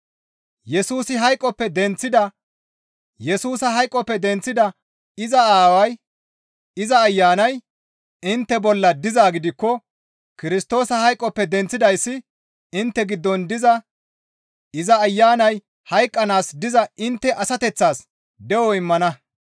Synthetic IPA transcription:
jɛsuːsɪɦɐjkʼːɔpːɛd̪ɛnt͡sːɪd̪ɐ | jɛsuːsɐɦɐjkʼːɔpːɛd̪ɛnt͡sːɪd̪ɐ | ɪzɐaːwɐj | ɪzɐːjːaːnɐj | ɪnt̪ːɛbɔlːɐd̪ɪzaːɡɪd̪ɪkːɔ | kɪɾɪst̪o̞ːsɐhɐjkʼːɔpːɛd̪ɛnt͡sːɪd̪ɐjsːɪ | ɪnt̪ːɛɡɪd̪ːɔnd̪ɪzɐ | ɪzɐːjːaːnɐj | hɐjkʼːɐnaːsd̪ɪzɐʔɪnt̪ːɛʔɐsɐt̪ɛt͡sːaːs | d̪ɛwɔɪmːɐnɐ

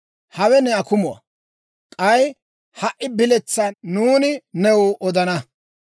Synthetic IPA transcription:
hɐwɛnɛɐkʊmʊɐ̰ | kʼɐj | hɐʔːɪbɪlɛt͡sːɐnuːnɪnɛwʊʔɔd̪ɐnɐ

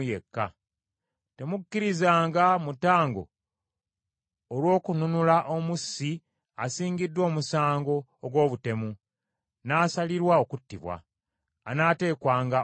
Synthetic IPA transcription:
jekːa̰ | te̞mukːiɾizaːŋɡamutaːŋɡo̞̰ | lwo̞ːkununulaʔo̞musːi | asiːŋɡidːwo̞ːmusaːŋɡo̞ːɡwo̞ːβute̞mu | naːsaliɾwao̞kutːiβwa̰ː | naːte̞ːkwaːŋɡa

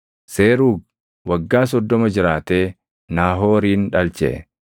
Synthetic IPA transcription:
seːɾuːɡ̚ | wɐɡːaːs̬ɔd̪ːɔmɐd͡ʒɪɾaːt̪eː | naːɦoːɾiːnᶑɐlt͡ʃɛ̰

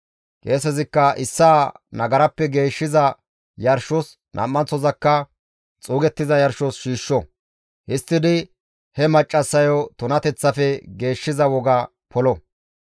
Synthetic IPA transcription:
keːsɛzɪkːɐʔɪsːaːnɐɡɐɾɐpːɛɡe̞ːʃːɪzɐ | jɐɾʃɔs | nʔɐ̰mːɐnt͡sɔzɐkːɐ | t͡sʼuːɡɛt̪ːɪzɐjɐɾʃɔsʃiːʃːɔ | hɪst̪ːɪd̪ɪ | hɛmɐt͡ʃʼːɐsːɐjɔt̪ʊnɐt̪ɛt͡sːɐfɛɡe̞ːʃːɪzɐwɔɡa | pʰɔlɔ

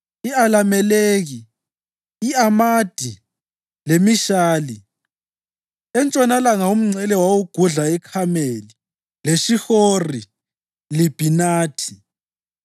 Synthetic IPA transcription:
ialamɛleːɣiː | amad̥ʱi | lemiʃaːli | ɛnt͡ʃʼɔnalaŋaum̩ŋ͡ǀʱɛlɛwawuɡ̥ʱuɮaɛkʰameli | leʃixori | lib̥ʱinaːtʰi̥

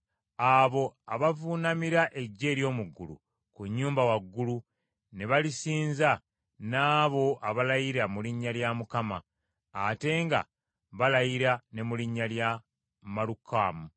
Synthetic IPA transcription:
aβo̞aβavunamiɾaʔe̞ɟːe̞ːɾjo̞ːmuɡːulṵ | kuɲːuːmbawaɡːulu | ne̞βalisiːnza | naːβo̞ʔaβalajiɾamuliɲːaljamukamaː | te̞ːŋɡa̰ | βalajiɾane̞muliɲːalja | malukːaːmu

